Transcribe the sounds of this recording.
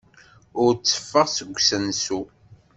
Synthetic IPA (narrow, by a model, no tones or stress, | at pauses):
ʊɾt͡sːə̥fːəʁsəɡʷːsənsu